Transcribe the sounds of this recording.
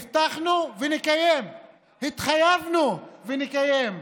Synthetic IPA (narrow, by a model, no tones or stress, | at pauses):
ft̪aχnuvenikajem | hit̪χajavnuvenikajem